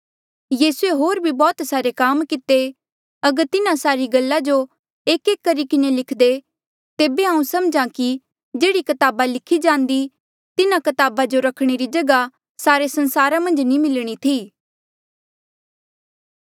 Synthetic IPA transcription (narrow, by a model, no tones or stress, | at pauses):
jiːsueɦoːɾbʱibɔːt̪saːɾekaːmkɪt̪e | ɐɡəɾt̪ɪnãsaːɾiɡɐlːad͡ʒo | eːkeːkːəɾikɪnelɪkʰd̪e | t̪eːbeɦãːũsɐmd͡ʒãki | d͡ʒeːɽikɐt̪aːbalɪkʰːid͡ʒãːnd̪i | t̪ɪnãkɐt̪aːbad͡ʒoɾɐkʰɽ̃eɾid͡ʒɐɡa | saːɾesɐ̃nsaːɾamɐ̃nd͡ʒnimɪlɽ̃it̪ʰiː